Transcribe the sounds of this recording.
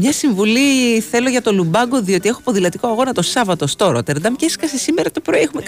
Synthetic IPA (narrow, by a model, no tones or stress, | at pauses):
mɲɐsiɱvuliθe̞lo̞ʝɐt̪o̞lubɐɡo̞ðio̞t̪ie̞xoɐpoðilɐt̪ikoɐɣo̞nɐt̪o̞sɐvɐt̪o̞st̪o̞ɾot̪eɾd̪ɐmceskɐsesimeɾɐt̪opɾo̞iexume